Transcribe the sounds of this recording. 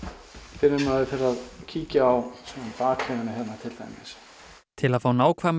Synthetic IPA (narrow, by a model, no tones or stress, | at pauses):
fɪɾʏmaðɪfɪɾaðcʰiːcaːwsɛmanpaːkʰlɛɣanɪɦɛnːat̪ʰɪlt̪a̰jmɪ̰s | t̪ʰɪlaðfaːwnaːwkʰvaːm